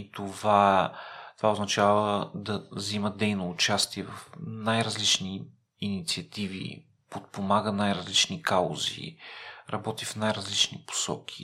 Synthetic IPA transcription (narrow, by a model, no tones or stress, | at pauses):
it̪ovat̪o̥vaʊznɐt͡ʃavəd̪ɐziməd̪ɛjnoʊːt͡ʃast̪iɛvɐfnajɾɐzlit͡ʃniː | nit̪siɐt̪ivḭ | pot̪̚pomaɡənajɾɐzlit͡ʃnikao̰zḭɾɐbɔt̪ifnajɾɐzlit͡ʃnḭpo̥sɔ̰k̟ʰi̥